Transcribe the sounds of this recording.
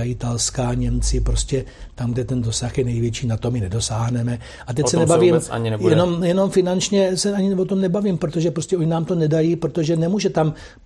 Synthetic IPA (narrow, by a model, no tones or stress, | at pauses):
aɪt̪alskaːɲɛmt͡sɪpɾoscʲɛ | t̪amɡdɛt̪ɛndo̞saxjɛnɛjvjɛt͡ʃiːnat̪o̞mɪnɛdo̞saːɦnɛmɛ | ʔat̪ɛcsɛnɛbaviːma̰ɲjɛnomjɛno̞mfɪnant͡ʃɲɛsɛʔaɲɪvot̪omnɛbaviːmpɾot̪o̞ʒɛpɾoscɛoɲɪnaːmt̪o̞nɛdajipɾot̪o̞ʒɛnɛmuːʒɛt̪am